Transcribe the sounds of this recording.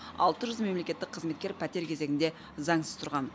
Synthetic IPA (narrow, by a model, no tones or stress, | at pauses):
ɑ̰lˠt̪əʒʏzme̞mle̞kʲe̞t̪ːɪk̚qʰəzme̞t̪̚kʲe̞ɾpʰæt̪e̞ɾkʲʰe̞ze̞ɡʲɪnd̪e̞ | zɑŋsəz̥t̪ʰʊɾʁɑn